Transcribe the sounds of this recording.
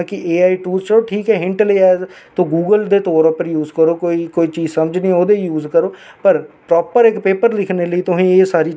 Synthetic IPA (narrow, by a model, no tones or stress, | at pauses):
kɪʔeːaːiːʈuːzt͡ʃəɾoːʈʰiːkɛːɦɪ̃ɳʈleːɛːzt̪õːɡuːɡəld̪eːt̪ɔːɾpəɾjuːzkəɾoːkoːiːkoːiːt͡ʃiːzsəməd͡ʒnĩːoːd̪eːjuːzkəɾoːpəɾpɾɔːpəɾɪkpeːpəɾd̪ɪkʰneːləiːt̪ʊsĩːeːsaːɾiː